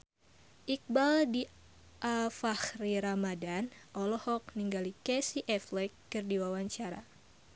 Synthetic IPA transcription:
ʔik̚baldi | ʔafahriɾamadanʔɔlɔhɔk̚niŋɡalikɛsiʔɛflɛkːɨrdiwawaɲt͡ʃaɾa̰

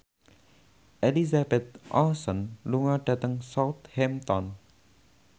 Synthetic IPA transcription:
elizabet̪̚ʔã̰sənluŋaɖɛt̪əŋsawt̪hɛmt̪ɔn

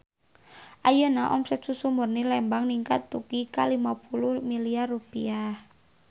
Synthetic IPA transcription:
ʔajonaʔɔmsɛt̪̚susumbʊrnilɛmbaŋniŋkat̪ːuɡ̥ikalimapuluhmiliarːupḭah

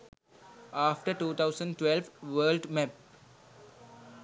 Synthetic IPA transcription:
aːfʈəɾʈuːt̪ʰaʊzə̃ɳɖʈʋɛlʋʋəːlɖmɛp̚

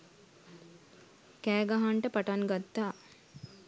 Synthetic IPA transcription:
kæːɡaɦaɳʈəpaʈaŋɡat̪ːaː

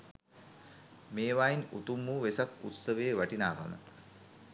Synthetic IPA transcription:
meːʋaːinṵt̪umːuʋesakut̪səʋeːʋaʈinaːʋʱa̰mə̰t̪

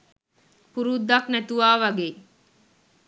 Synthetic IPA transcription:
puɾud̪aknet̪uʋaːʋɐɡeː

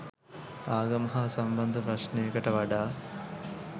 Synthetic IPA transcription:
aːɡɐmɐɦaːsɐmbɐnd̪ʱɐpɾɐʂnejekəʈəʋɐɖaː

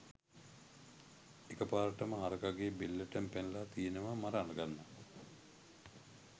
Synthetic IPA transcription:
ekəpaːɾəʈəməɦaɾəkaɡebilːəʈəmpenlat̪ijenəʋamaɾɐːlɐɡanːa

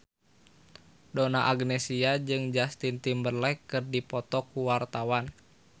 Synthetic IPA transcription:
dɔnaʔaɡnɛsiad͡ʒɨŋd͡ʒast̪int̪imbərlɛkɨrdipɔt̪ɔkuwart̪awan

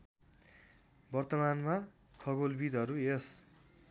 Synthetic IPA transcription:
bʌrt̪ʌmanma | kʰʌɡolbid̪ʌɾues

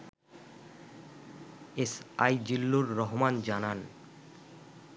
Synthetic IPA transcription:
esa̰jd͡ʑilːuɾːɔɦomand͡ʑanan

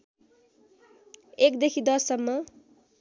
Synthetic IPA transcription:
ekd̪ekʰid̪ʌsʌmːʌ

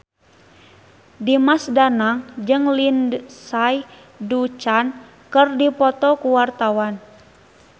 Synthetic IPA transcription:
dimasdanaŋd͡ʒɨŋlindsaj | dut͡ʃan | kərdipɔt̪ɔkuwart̪awan

